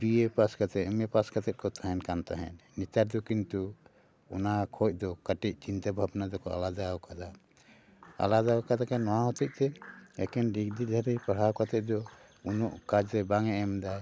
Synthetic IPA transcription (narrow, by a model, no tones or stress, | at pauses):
biepaskat̪ɛmɛpaskat̪ɛt̪̚kɔt̪ʰaɦɛnkant̪aɦɛ̰nːit̪aɾd̪ɔkint̪u | ɔ̰nakʰɔc̚ˀd̪ɔkaʈic̚t͡ʃint̪abʱabnad̪ɔkɔa̰lad̪awkad̪a | a̰lad̪awkad̪akanɔwãɦɔt̪ic̚ˀt̪ɛɛ̰kɛnɖikd̪id̪ʱəɾijpaɽ̤awkat̪ɛʔ̚d̪ɔ | unɔʔkad͡ʒɾɛbaŋɛʔɛmd̪aj